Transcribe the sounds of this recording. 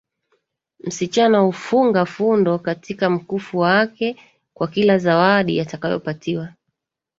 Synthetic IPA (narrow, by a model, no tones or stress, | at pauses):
m̩sit͡ʃanahufuŋɡafundɔkatʰikam̩kufuwakɛ | kwakilazawaɗḭjatakajɔ̰patʰiwa